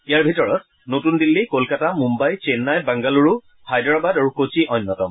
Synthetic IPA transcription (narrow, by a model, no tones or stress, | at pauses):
ijaɹbʱitɔɹɔt̚ | notundilːikolkatamumbajt͡ʃenːajbaŋɡaluɹu | hajdɹabadaɹukot͡ʃiʔɔjnːɔtɔm